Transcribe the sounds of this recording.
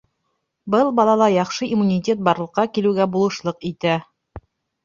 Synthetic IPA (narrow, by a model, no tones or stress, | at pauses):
bɤlˠbɑlˠɑlˠɑjɑχʃɤʔimunʲitʲet̪̚bɑɾlˠɤ̆qːɑkilɘ̆wɡæbulˠɤ̆ʃlˠɤqit̪æ